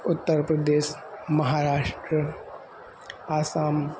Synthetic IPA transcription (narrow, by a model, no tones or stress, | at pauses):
ʊt̪ːəɾpɾəd̪eːʃmɐɦaːɾaːʃʈɾə | aːsaːm